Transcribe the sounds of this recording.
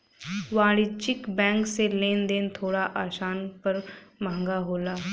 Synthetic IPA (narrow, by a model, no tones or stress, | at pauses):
ʋaːɽit͡ʃɪkbɛ̃ːŋkseleːnd̪eːnt̪ʰoːɽaʔaːʃaːnpəɾmãːŋɡaɦoːlaː